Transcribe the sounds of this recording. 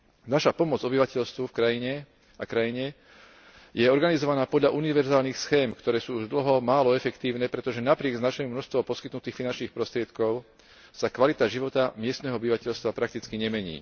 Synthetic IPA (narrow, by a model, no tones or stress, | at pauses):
naʃapɔmɔd͡zɔbiʋacɛʎst̪ʋufkɾajiɲɛ | akɾajiɲɛ | jɛɔɾɡanizɔʋanaːpɔd̪ʎaʔuniʋɛɾzaːlnixsxɛːmkt̪ɔɾɛːsuːuʒd̪l̩ɦɔmaːlɔɛfɛkt̪iːʊnɛːpɾɛt̪ɔʒɛnapɾɪɛɡznaʃɛmumnɔʃst̪ʋɔpɔskit̪nut̪iːxfinant͡ʃniːxpɾɔst̪ɾɪɛt̪kɔʊ | sakʋalit̪aʒiʋɔt̪amɪɛst̪nɛːɦɔɔbiʋacɛʎst̪ʋapɾak̚t̪it͡skiɲɛmɛɲḭː